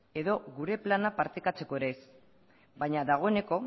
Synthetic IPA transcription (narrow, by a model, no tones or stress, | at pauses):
e̞ðo̞ɣuɾe̞planapaɾt̪ekat͡se̞ko̞eɾe̞s | bajɲaðaɣ̞o̞e̞ne̞ko̞